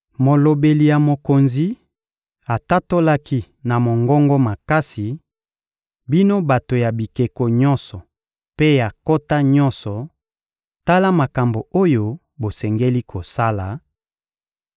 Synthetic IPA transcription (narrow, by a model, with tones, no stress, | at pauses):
mo˨lo˨be˨li˨ja˨mo˨ko˨nzi˦ | a˨ta˦to˦la˦ki˦ | na˨mo˨ŋɡɔ˦ŋɡɔ˦ma˨ka˦si˨ | bi˦no˦ba˨to˨ja˨bi˨ke˨ko˨ɲɔ̃˦nsɔ˨ | pe˦ja˨ko˦ta˦ɲɔ˦nsɔ˨ | ta˦la˦ma˨ka˨mbo˨o˦jo˦ | bo˨sɛ˨ŋɡe˦li˦kʰo˨sa˦la˨